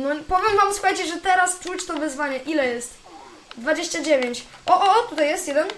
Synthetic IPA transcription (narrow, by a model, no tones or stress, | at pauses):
nɔpɔvʲjɛmvamsuxajt͡ɕɛʐɛt̪ɛɾast͡ʂut͡ɕt̪ɔvɘzvaɲɛʔilɛjɛst̪ | d̪vad͡ʑeɕt͡ɕad͡ʑevʲjeɲt͡ɕ | ʔɔʔɔt̪ut̪ajɛst̪jɛd̪ɛn